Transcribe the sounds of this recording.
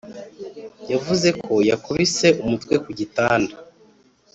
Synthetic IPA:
javuze̞kʰo̞jakʰoβise̞ʔumutwe̞kuɟitaːnda

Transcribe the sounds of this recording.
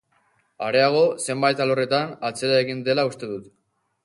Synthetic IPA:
aɾe̞aɣ̞o̞se̞mbajt̪alore̞t̪anat͡se̞ɾaeɣind̪e̞laust̪e̞ðut̪

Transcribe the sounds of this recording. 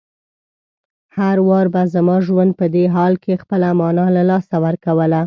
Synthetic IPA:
haɾwɑɾbazamɑʒwand̪̚pəd̪eɦɑlkʰexpəlamɑnɑlalɑsawəɾkawəla

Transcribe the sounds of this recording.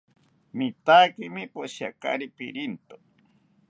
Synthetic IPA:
mit̪akimipoʃja̰ka̰ɾipḭɾint̪o

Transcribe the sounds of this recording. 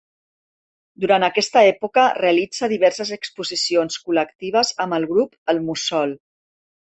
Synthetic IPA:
d̪uɾant̪əkɛst̪əɛpukəreəlid͡zəðiβ̞ɛɾsəzəkspuzisionskuləkt̪iβ̞əzəməlˠɣɾupəlˠmusɔlˠ

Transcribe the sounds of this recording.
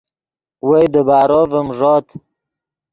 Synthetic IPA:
wejd̪əbaːɾovəmʐoːt̪

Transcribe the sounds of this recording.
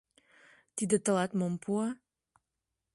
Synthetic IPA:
t̪id̪ə̆t̪ə̆lɑt̪mompʰuɑ

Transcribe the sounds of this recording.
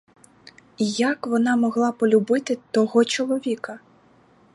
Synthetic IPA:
jakʋɔnɑmɔɦlˠɑpɔlʲubɪt̪ɪt̪ɔɦɔt͡ʃɔlˠɔʋʲikɐ

